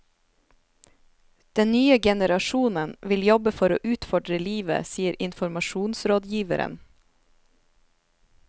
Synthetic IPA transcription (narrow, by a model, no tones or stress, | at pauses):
d̪̥ɛnnyːəɡɛnəɾɑʃuːnənʋɪljɔbəfɔɾo̰ːʔʉːt̪fɔɖɾəliːʋə̰siːəɾʔɪnfɔɾmɑʃuːnsɾoːd̪jiːʋə̰ɾə̰n